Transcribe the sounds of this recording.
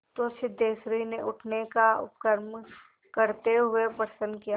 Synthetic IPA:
t̪osɪd̪ʱeːsɾineʔʊʈʰnekaʊ̰pkəɾm | kəɾt̪eɦʊepəɾsə̃nd̪kija

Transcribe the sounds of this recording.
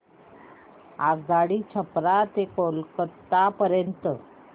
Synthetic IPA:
aɡaɽiːt͡ɕʰəpɾat̪ekolkət̪ːapəɾjənt̪ə

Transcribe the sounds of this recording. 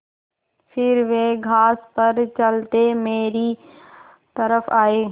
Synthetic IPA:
fɪɾʋeːɡʱaːspɐɾt͡ʃɐlt̪emeːɾi | t̪ɐɾəfaːeː

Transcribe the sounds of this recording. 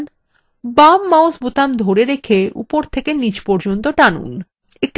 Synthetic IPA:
n | bamːaosbot̪amd̪ʱoɾeɾekʰeṵpoɾt̪ʰekenid͡ʑpɔɾd͡ʑont̪oʈanṵn | ek̚ʈ

